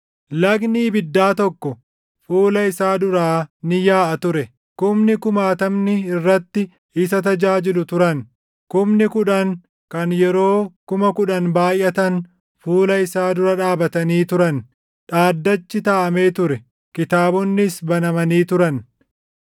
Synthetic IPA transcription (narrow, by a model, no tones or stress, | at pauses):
lɐɡniːbɪd̪ːaːt̪ɔkːɔ | fuːlɐɪsaːd̪ʊɾaːnɪjaːʔɐt̪ʊɾɛ | kʊmnɪkʊmaːt̪ɐmnɪɪrːɐt̪ːɪ | ɪs̬ɐt̪ɐd͡ʒaːd͡ʒɪlʊt̪ʊɾɐn | kʊmnɪkʊᶑɐŋ | kɐnjɛɾo̞ːkʊmɐkʊᶑɐnbaːjʔɐt̪ɐn | fuːlɐɪsaːd̪ʊɾɐᶑaːbɐt̪ɐniːt̪ʊɾɐn | ᶑaːd̪ːɐt͡ʃːɪt̪aːʔɐme̞ːt̪ʊɾɛ | kɪt̪aːbɔnːɪsbɐnɐmɐniːt̪ʊɾɐn